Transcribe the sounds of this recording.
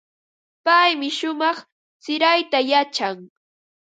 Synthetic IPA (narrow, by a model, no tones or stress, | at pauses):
pajmɪʃʊmɑχ | t͡sɪɾajt̪ajat͡ʃaŋ